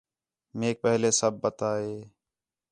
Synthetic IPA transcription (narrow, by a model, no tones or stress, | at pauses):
meːk̚pɛɦleːsəb̚ːət̪aːeː